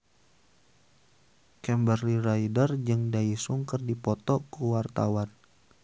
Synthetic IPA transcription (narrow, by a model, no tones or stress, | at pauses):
kɛmbərliraidərd͡ʒɨŋdaisuŋkɨrdipɔt̪ɔkuwart̪awan